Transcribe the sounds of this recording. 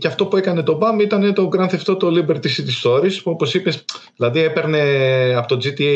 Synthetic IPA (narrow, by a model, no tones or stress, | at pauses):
ceɐft̪o̞pue̞kɐne̞t̪o̞bɐmit̪ɐne̞t̪o̞ɡɾɐnθeft̪o̞t̪olibeɾt̪isit̪ist̪o̞ɾispuo̞po̞sipesðilɐðiepe̞ɾne̞ɐpot̪o̞d͡zit̪i